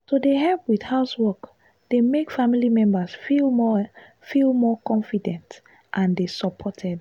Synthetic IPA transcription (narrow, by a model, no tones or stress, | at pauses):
sodeɦɛlpwid̥haʊswɔk | d̥emekfamilimɛ̃mbəsfilmɔ | filmɔkɔ̃nfidɛ̃nt | ʔãndesəpʰɔtʰɛd̚